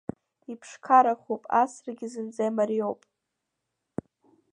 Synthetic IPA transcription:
ipʰʂkʰaɾaχupʼasrɡʲɪzɨnd͡zajmaɾiowpʼ

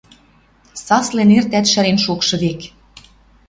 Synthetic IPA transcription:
sɑslenert̪æt̪ʃæɾenʃukʃɤ̆βek

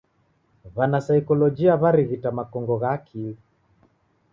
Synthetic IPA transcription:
βanasaikɔlɔd͡ʒiaβaɾiɣitamakɔŋɡɔɣaːkʰili

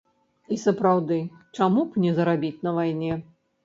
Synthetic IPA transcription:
isɐpɾawd̪ɨt͡ʂamupnʲɛzɐɾabʲit͡sʲnɐvajnʲɛ

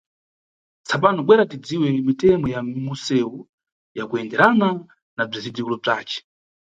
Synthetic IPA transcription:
t͡sapanɔɓwɛɾatid͡ziwɛmitɛmɔjamusɛu | jakuɛndɛɾana | nab͡ʐizidd͡zikulɔb͡ʐaːt͡ʃɛ̥

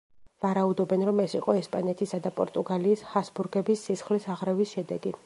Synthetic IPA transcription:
vaɾaud̪ɔbɛnɾɔmɛsiqʼɔɛspʼanɛt̪ʰisad̪apʼɔɾt̪ʼuɡaliːshasbuɾɡɛbisːisχlisaʁɾɛvisʃɛd̪ɛɡi

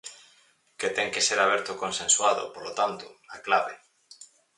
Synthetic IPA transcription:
ket̪ɛŋkeseɾaβ̞ɛɾt̪ʊkonsẽnswaðo̰polot̪ant̪ʊaklaβe

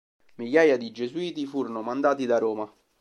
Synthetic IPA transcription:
miʎːaːjad̪id͡ʒezuiːt̪ifuːɾonomand̪aːt̪id̪aɾoːma

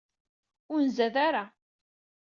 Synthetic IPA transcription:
ʊɾnzæðaɾa

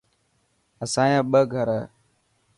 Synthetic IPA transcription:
əsãːjãːɓəɡʱəɾə

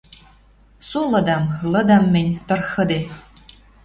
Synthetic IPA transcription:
sulɤ̆d̪amlˠɤ̆d̪amːɘnʲt̪ɤ̆rxɤd̪e

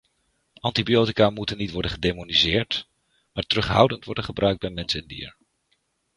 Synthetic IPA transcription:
ʔɑntibijowtikaːmutənːitʋɔɹdənχədejmonizɪːɹt | maːɹtərɵχɦʌwdəntʋɔɹdənχəbrœɥk̚bɛjmɛnsənɪndḭːɹ

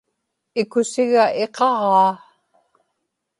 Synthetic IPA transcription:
ɪkʊsɪɣae̞qɑʁɑː

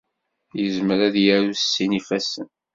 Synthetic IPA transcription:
jəzməɾæðjæɾusːinifæsən

